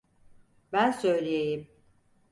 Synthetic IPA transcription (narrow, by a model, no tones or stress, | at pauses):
bænsø̞jlʲejejim